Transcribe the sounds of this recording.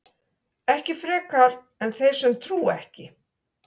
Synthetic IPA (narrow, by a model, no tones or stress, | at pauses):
ɛhcɪfɾɛːkaɾ | ɛnθejɾ̥sɛmt̪ʰɾuːɛhcɪ